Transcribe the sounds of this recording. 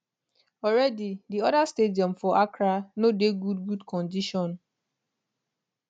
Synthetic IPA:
ɔɾɛdidiɔdastediɔmfɔʔakɾanodeɡudɡudkɔ̃ndiʃɔ̃n

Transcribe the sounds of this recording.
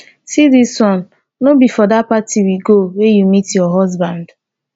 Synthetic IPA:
sidisɔ̃nː | obifɔdapatʰiwiɡowejumitjɔɦɔzbãnd

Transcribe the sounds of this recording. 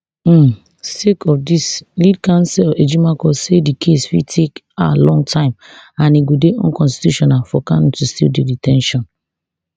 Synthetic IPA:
sekʰɔfdislid̚kãnsɛled͡ʒimakɔsedikʰesfḭtʰek | alɔ̃ŋtʰãɪ̃m | ãniɡodeʔõ̰nkɔ̃nsti̥tjuʃɔnalfɔkãntustḭldiditʰɛ̃nʃɔ̃n

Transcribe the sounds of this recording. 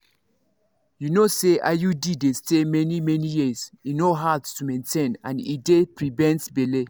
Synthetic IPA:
junoseʔa̰judidestemɛnimɛnijizinoɦadtumẽntʰẽnã̰nidepɹivɛ̃ntbele

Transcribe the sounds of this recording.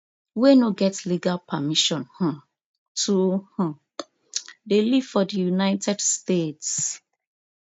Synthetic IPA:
wenoɡɛtliɡalpʰamiʃɔ̃nhɔ̃ | tʰuhũ | deliv̥fɔdijunaɪtɛdstets

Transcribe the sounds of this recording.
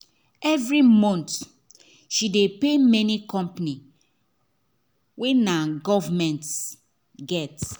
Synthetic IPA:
ɛvɹimɔ̃nt | ʃidepemɛnikɔ̃mpni | wenaɡɔvamɛ̃nts | ɡɛt

